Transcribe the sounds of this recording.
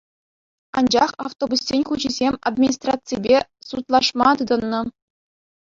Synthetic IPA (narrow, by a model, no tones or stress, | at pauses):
ɑnd͡ʑɑχɑft̪obusʲsʲenʲχuʑizʲemʲa̰d̪mʲinʲist̪rat̪t͡sijbʲesut̪lˠɑʂmɑt̪ɯd̪ɤ̆nːɤ̆